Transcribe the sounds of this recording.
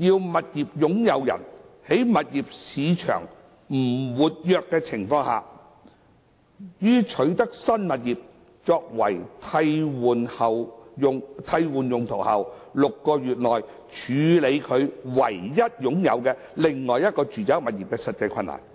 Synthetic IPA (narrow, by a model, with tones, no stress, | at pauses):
jiː˧wmɐ˨t̚jiː˨p̚jʊ˨˥ŋjɐ˨˧wjɐ̰˨˩nhe˨˥jmɐ˨t̚jiː˨p̚siː˨˧t͡ʃʰœ̰ː˨˩ŋ | m̩˨˩wuː˨t̚jœː˧kːɛː˧t͡sʰɪ˨˩ŋfɔː˧ŋha̰ː˨ | jyː˥t͡ʃʰɵ˨˥ɥt̪ɐ˥k̚sɐ˥nmɐ˨t̚jiː˨p̚ | t͡sɔː˧k̚wɐ˨˩jt̪ʰɐ˧jwuː˨nhɐ˨wʊ˨ŋt̪ʰɐ˧jwuː˨˩njʊ˨ŋt̪ʰo˨˩whɐ̰˨wlʊ˨kːɔː˧jyː˨t̚lɔː˨˩j | t͡ʃʰyː˨˧le˨˧jkʰɵ˨˧ɥwɐ̰˨˩jjɐ˥t̚jʊ˨˥ŋjɐ˨˧wkɛː˧ | lɪ˨˩ŋŋɔː˨jɐ˥t̚kɔː˧t͡ʃyː˨t͡sa˨˥mɐ˨t̚iː˨p̚kɛː˧sɐ˨t̚t͡sɐ˧jkʰɐ˧nːla̰ː˨˩n